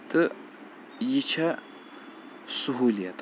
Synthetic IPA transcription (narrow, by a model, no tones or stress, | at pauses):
t̪ʼɨ | jit͡ʃʰɐ | sʊɦulijɐt̪ʼ